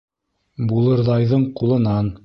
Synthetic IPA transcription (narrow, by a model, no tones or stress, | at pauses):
bulˠɤ̆ɾðɑjðɤɴqulˠɤ̆nɑn